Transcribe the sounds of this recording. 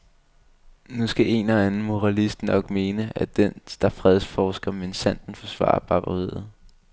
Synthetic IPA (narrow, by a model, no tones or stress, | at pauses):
nusɡ̥æʔe̝nɒænn̩mo̝ʁɑ̈lisd̥nɒ̽ɡ̥me̝ːnəæd̥end̥ɑ̈fʁɛð̞ˠsfɒːsɡ̥ɐmensæn̰d̥n̩fɒ̽sʋɑ̰̈ːɑɐb̥ʰɑ̈b̥ɐʁeð̰ˠð̩ˠ